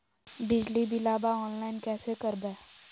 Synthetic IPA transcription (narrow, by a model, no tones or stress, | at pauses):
bɪd͡ʒlibɪlaːbaɔːnlaːɪnkɛːsekəɾbɛː